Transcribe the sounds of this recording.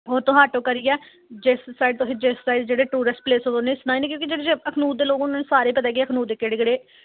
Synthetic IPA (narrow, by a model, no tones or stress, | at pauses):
oːt̪õːɦaːʈõːkəɾiːjɛː | d͡ʒessaːɪɖt̪ʊ̃sẽd͡ʒeːssaːɪɖd͡ʒeːɽeːʈuːɾəsʈpleːsooneːsnaːiːnɛ̃ːk̬jõːkid͡ʒeːɽeːd͡ʒeəkʰnuːt̪d̪eːloːkʊnãːnẽsaːɾeːpət̪aːɡeːəkʰnuːeːkeːɖɪɡɽeː